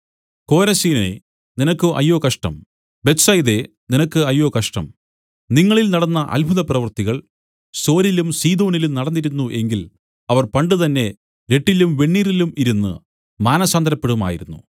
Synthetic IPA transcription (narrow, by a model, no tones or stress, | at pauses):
ko̞ːɾɐsiːnɐḛ | ninɐkːɨʔɐ̰jːo̞ːkɐʂʈɐ̰m | be̞t̪sɐjðe̞ | ninɐkːɨɐjːo̞ːkɐʂʈɐ̰m | niŋːɐɭilnɐɽɐnːɐʔɐ̰lbʱuðɐprɐʋɐrt̪iɣɐɭ | so̞ːɾilumsiːd̪o̞ːnilumnɐɽɐnːiɾunːuʔe̞ŋɡil | ɐʋɐrpɐɳɖɨt̪ɐnːe̞ | ɾe̞ʈːilumʋe̞ɳːiːrilumiɾunːɨ̰ | maːnɐsaːnd̪ɐɾɐpːe̞ɽuma̰ːjḭɾunːṵ